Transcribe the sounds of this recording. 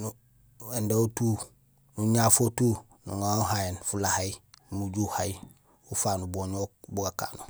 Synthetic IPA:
nu | endeutuː | nuɲaːfotu | nṵŋauɦajenfulahaimuɟuhai | ufaːnuboːɲobuɡaka̰ːnu

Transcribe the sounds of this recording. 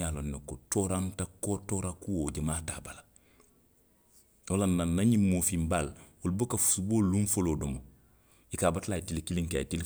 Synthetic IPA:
aːlonːekotoɾantakotoɾakuwoːɟamaːtaːbala | olanːanːaɲimoːfimbal | olubokafu̥suboːluɱfoloːdomo | ikaːbatlaitilkiliŋka̰itil

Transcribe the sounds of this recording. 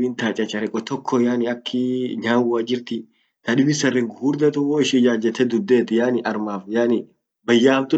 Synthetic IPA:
ɪnt̪aːt͡ʃʼɐt͡ʃʼɐɾɛkʼːɔt̪ɔkʰːɔjaːnɪɐkʰːɪɲaːwaːd͡ʒɪɾt̪ɪ | t̪ɐᶑɪbɪsɐrːɛŋɡʊhuːɾd̪ɐt̪ʊwoːɪʃɪd͡ʒaːd͡ʒɛt̪ːɛd̪ʊd̪ːeːt̪ɪjaːnɪʔɐɾmaːfjaːnɪ | bɐjːaːmt̪ʊ

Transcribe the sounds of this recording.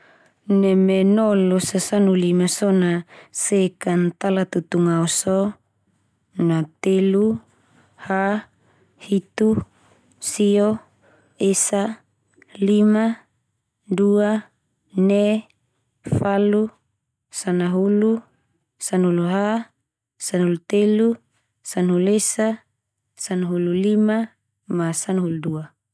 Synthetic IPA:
nɛmenɔlosasanulimasɔnasekant̪alat̪ut̪uŋaosɔ | nat̪elu | ha | hit̪u | sio | esa | lima | dua | nɛ | falu | sanaɦulu | sanɦuluɦa | sanhulut̪elu | sanɦulesa | sanɦululima | masanɦuludua

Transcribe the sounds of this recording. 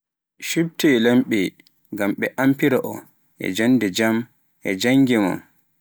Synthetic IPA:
ʃub̚tɛlamɓɛ | ɡamɓɛʔampiɾaʔɔ | ʔɛ̰d͡ʒanːdɛd͡ʒam | ʔɛ̰d͡ʒaŋɡɛma̰n

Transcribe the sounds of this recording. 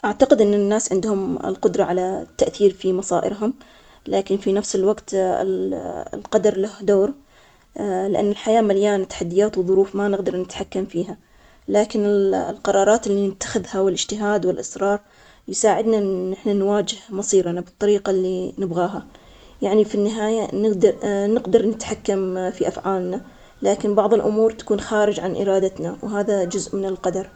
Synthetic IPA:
ʔaʕt̪aqɪd̪ʔɪnːɪnːaːsʕɪnd̪hʊmɪ̰lqʊd̪ɾˤɑʕalat̪ːaʔθiːɾfimɑsˤɑːʔɪ̰ɾɦʊm | laːkɪnfinafsɪlwaɡt̪ɪ̰llqɑd̪ɑɾˤlahd̪oːɾ | lɪʔa̰nːɪlħajaːmaljaːnt̪ːaħad̪ːɪjaːt̪wðˤʊɾuːfmanɪɣd̪ɑɾˤnɪt̪ħakːamfiːɦa | laːkɪnɪllqɑɾˤɑːɾˤɑːt̪ɪlːinɪt̪ːḁxɪðhawɪlʔɪd͡ʒt̪ɪɦaːd̪wɪlʔɪsɾˤɑːɾˤ | jɪsaːʕɪd̪naɪħnanwaːd͡ʒɪhmɑsˤiːɾanabɨt̪ˤːɑɾiːqalːinɪbɣaːɦa | jaʕnifinːɪɦaːjanɪɡd̪nɪɡd̪ɑɾˤnɪt̪ħakːamfiʔafʕaːlna | laːkɪnbɑʕðˤɨlʔʊmuːɾt̪ḁkuːnxaːɾɪd͡ʒʕanʔɪ̰ɾɑːd̪at̪nawɦaːðad͡ʒʊzʔmɪnɪlqɑd̪ɑɾˤ

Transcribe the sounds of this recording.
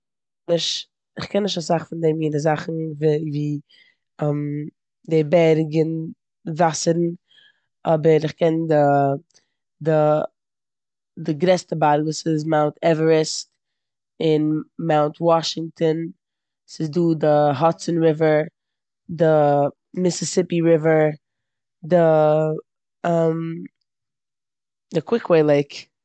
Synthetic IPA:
nɪʃt | ɪχkʰɛnːɪʃtasaχfɪndɛmjɪndɪzaχn̩vviː | ɛm | debɛɾɡən | vasəɾn̩ | ɔbəɾɪχkɛndɪ | dɪ | dɪɡɾɛstəbaɾɡəsɪz̬maʊntʰɛvəɹəst | ɪnmaʊntʰwɔʃɪŋk̚tən | sɪzduːdɪɦɔtsənɹɪvə˞ | dɪ | mɪsɪsɪpiɹɪvə˞ | dɪ | əm | dɪkʰwɪkʰweɪlˠeɪk

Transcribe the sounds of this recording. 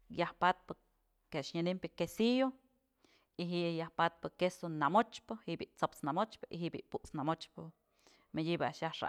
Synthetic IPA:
jahpat̪̚pɨ | keʔaʃɲanimpʲɨkesijo | iɦiʔjahpat̪̚pɨkesonamot͡ʃpɨhiʔbiʔt͡sopt͡snamot͡ʃpɨʔiɦiʔbḭʔpuʔt͡snamot͡ʃpɨ | mediba̰ʔʃjahʂa̰ʔ

